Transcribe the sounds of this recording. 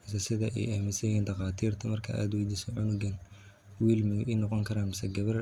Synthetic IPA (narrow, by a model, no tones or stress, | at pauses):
ɪsɐsɪðɐʔɛ̰jɐːmɪsɐjiːnd̪ɐqɑːt̪ʰiːrt̪ʰɐmɐrkʰɐʔa̰ːd̪wɛjd̪iːsɔʕʊnʊɡɐn | wiːlmɪʔɛjnɔqɔŋkʰɐɾaːnmɪsɐɡɐβɐr